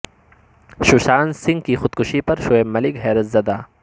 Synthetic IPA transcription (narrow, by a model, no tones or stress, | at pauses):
ʃʊʃaːnsɪ̃ŋɡ̚kixʊd̪̚kʊʃipɐɾʃoːeːmɐlɪkɦɛːɾɐzɐd̪aː